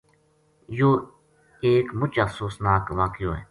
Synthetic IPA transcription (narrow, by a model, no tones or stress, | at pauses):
joː | eːkmʊt͡ʃahsuːsnaːkʋaːkɪjoːɦɛ̰ː